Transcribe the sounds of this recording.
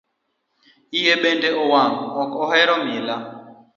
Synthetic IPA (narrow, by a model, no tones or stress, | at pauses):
ijeɓendɛʔɔwaŋɡɔɔkɔhɛɾɔmila